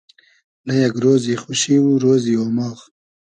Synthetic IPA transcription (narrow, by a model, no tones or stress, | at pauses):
lajaɡɾoːzixuʃiwuɾoːzioːmɑːx